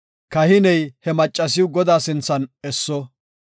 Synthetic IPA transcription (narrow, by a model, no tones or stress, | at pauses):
kɐhɪnɛjhɛmɐt͡ʃʼːɐs̬ɪwɡɔd̪aːsɪnt͡sːɐnɛsːɔ